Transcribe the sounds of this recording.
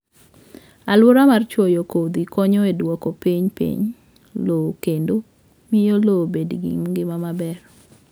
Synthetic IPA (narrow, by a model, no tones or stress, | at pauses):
alʊɾamart͡ʃwojokod̪ikɔɲɔedwɔkɔpiɲpḭɲ | lokendo | mɪjolobedɡḭŋɡɪmamabɛr